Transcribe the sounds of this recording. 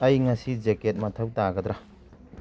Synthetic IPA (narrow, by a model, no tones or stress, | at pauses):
ɐjŋɐsid͡ʒeket̚mɐtʰɐwtaɡɐd̪ɾa